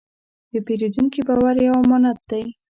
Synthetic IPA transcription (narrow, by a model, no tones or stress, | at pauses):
d̪əpeɾed̪uŋkibɑwaɾjawamɔnad̪̚d̪aj